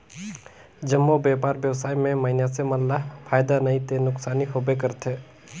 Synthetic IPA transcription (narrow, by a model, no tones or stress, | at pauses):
d͡ʒəmːobeːpaːɾbjəwsaːimẽməɪnasemɐllaɦpʰaːjd̪anɐĩt̪enʊksaːniɦobek̬əɾt̪ʰeː